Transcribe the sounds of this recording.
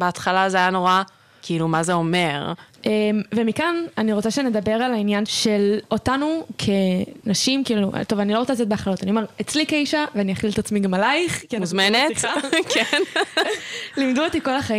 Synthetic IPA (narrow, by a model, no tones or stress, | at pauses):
beat̪χalazeajano̞ʁa | kiilumazeome̞ʁemve̞mikananiʁot͡saʃeaned̪abe̞ʁalainjanʃe̞lo̞tanukʰe̞naʃimkiiluʔt̪o̞vanilo̞ʁt͡salat̬ot̪̚beaχlalo̞t̪anio̞me̞ʁet͡slikeiʃaveanijaχilet̪at͡smiɡamalajiχkmuzmenetiakʰen | limd̪uot̪iko̞laχai